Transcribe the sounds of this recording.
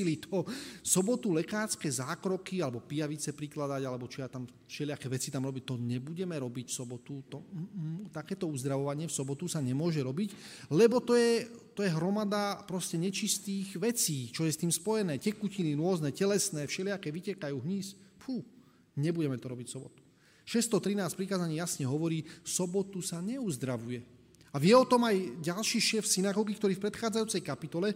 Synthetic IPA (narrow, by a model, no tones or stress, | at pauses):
ilit̪ʰɔsɔbɔt̪ulɛkaːɾskɛzaːkɾɔkialɛbɔpijaʋit͡sɛpɾiklad̪aɟalɛbɔt͡ʃiat̪am | fʃɛlɪakɛʋɛt͡sit̪amɾɔbic̚t̪ɔɲɛbuɟɛmɛɾɔbicfsɔbɔt̪ut̪ɔt̪akɛːt̪ɔuzd̪ɾaʋɔʋaɲɪɛfsɔbɔt̪usaɲɛmʊɔʒɛɾɔbiclɛbɔt̪ɔjɛt̪ɔjɛɦɾɔmad̪apɾɔscɛɲɛt͡ʃist̪iːɣʋɛt͡siːt͡ʃɔjɛst̪iːmspɔjɛnɛːcɛkuciniɾʊɔznɛːcɛlɛsnɛːfʃɛlɪakɛʋicɛkajuːɦɲiːsfu | ɲɛbuɟɛmɛt̪ɔɾɔbicsɔbɔt̪u̥ | ʃɛst̪ɔt̪ɾinaːsc̚pɾikaːzaɲiːjasɲɛɦɔʋɔɾiːfsɔbɔt̪usaɲɛuzd̪ɾaʋujɛ | aʋɪɛɔt̪ɔmajɟalʃiːʃɛːfsinaɡɔɡikt̪ɔɾiːfpɾɛt̪xaːd͡zajuːt͡sɛjkapit̪ɔlɛ